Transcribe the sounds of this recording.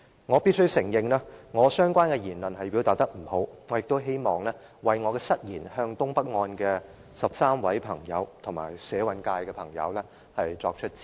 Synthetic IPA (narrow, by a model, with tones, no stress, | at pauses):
ŋɔː˨˧pi˥t̚sɵ˥ɥsɪ˨˩ŋjɪ˨ŋlaː˥ŋɔː˨˧sœː˥ŋkʷaː˥nkɛː˧jiː˨˩nlɐ˨nɦɐ˨jpiː˨˥wt̪aː˨t̚t̪ɐ˥k̚m̩˨˩ho˨˥wŋɔː˨˧jɪ˨k̚t̪o˥wɦe˥jmɔː˨ŋlɛː˥ | wɐ˨jŋɔː˨˧kɛː˧sɐ˥t̚jiː˨˩nhœː˧ŋt̪ʊ˥ŋpɐ˥k̚ŋɔː˧nkɛː˧ | sɐ˨p̚saː˥mwɐ˨˥jpʰɐ˨˩ŋjɐ̰˨˧wt̪ʰʊ˨˩ŋma̰ː˨˩jsɛː˨˥wɐ˨˥nkaː˧jkɛː˧pʰɐ˨˩ŋjɐ̰˨˧wlɛː˥ | hɐ˨jt͡ʃɔ̰ː˧k̚t͡ʃʰɵ˥t̚t͡siː˥˩